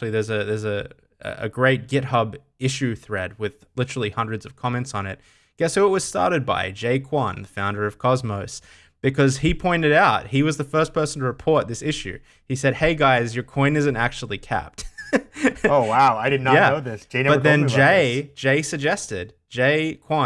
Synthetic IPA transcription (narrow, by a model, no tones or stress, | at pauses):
l̩ˠiðə˞zɨðə˞zɨ | ɨ̰ɨ̰ɡɹeɪt̚ɡ̥ɪt̚hʌb | ɪʃʉθɹɛd̚wɪð̥ | lɪɾə˞l̩ˠihʌ̃ndɹɨdzʌv̥kʰɑmɛ̃ntsn̩ɪt̚ | ɡ̥ɛsoʊət̚wʌz̥stɑ̰ɹɾɨd̚ba̰ɪd͡ʒeɪkʰw̥ɑ̃nðəfãʊ̃ndə˞ʌv̥kʰɑzmoʊs | b̥ɨkʰʌz̥ipʰɔ̃ɪ̃ntɨɾaʊt̚hiwʌzðɨfɜ˞spʰɜ˞sn̩tʰɨɹɨpʰɔɹt̪̚ðɪsɪʃʉ̰ | isɛd̚heɪɡaɪzjə˞kʰw̥ĩɪ̃nɪzɨ̃ntæk̚t͡ʃʉl̩ˠikʰæ̰p̚t̚ | oʊwaʊaɪɾɨdⁿnəjæoʊðɪsd̥ʒ̥eɪnɛʌtəðɨ̃nd͡ʒeɪd͡ʒeɪsɨɡ̚d͡ʒɛstɪd̚ | d͡ʒeɪkʰw̥ɑ̃